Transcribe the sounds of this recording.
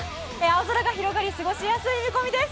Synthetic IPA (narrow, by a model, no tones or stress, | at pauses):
eaozoɾaɡaçiɾo̞ɡaɾʲisɨɡo̞ɕijasɨimɯko̞mʲid̪e̞sɨ̥